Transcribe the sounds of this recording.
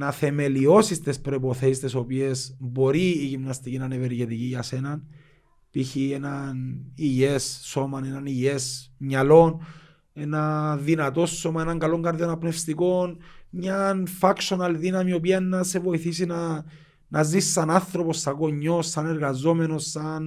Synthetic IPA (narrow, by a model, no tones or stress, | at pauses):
nɐθe̞me̞lio̞sist̪espɾo̞ipo̞θe̞sist̪eso̞pie̞sbo̞ɾiːʝimnɐst̪icinaneveɾʝet̪iciʝɐse̞nɐn | piçienɐniʝesːo̞mɐne̞nɐniʝe̞smɲɐlo̞n | e̞nɐðinɐt̪o̞sːomɐe̞nɐŋɡɐlo̞ŋɡɐɾðjo̞nɐpne̞fst̪iko̞nɲanfɐkʃo̞nɐlðinɐmio̞p̬iɐnːɐse̞vo̞iθisina | nɐzisːɐnanθɾo̞po̞sːɐɣoɲːo̞sːɐne̞ɾɣɐzo̞me̞no̞sːɐn